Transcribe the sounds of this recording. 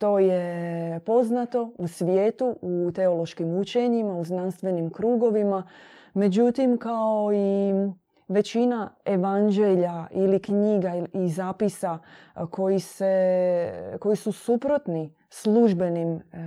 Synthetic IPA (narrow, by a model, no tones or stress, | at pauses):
t̪o̞ːjepo̞znat̪o̞usʋjeːt̪uut̪e̞o̞lo̞ʃkimut͡ɕe̞ɲimauznanst̪ʋe̞nimkɾuːɡo̞ʋima | me̞d͡ʑut̪imkao̞i | ʋe̞t͡ɕinae̞ʋand͡ʒe̞ʎailikɲiːɡaizaːpisako̞jise | ko̞jisusupɾo̞t̪ni | slˠuʒbe̞nim